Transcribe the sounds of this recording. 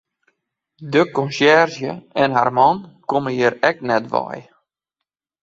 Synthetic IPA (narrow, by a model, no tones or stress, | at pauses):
dəkɔnsɛrzjəɛnɦa̰rmɔnkoməjiɾɛk̚nɛtʋɔ̰j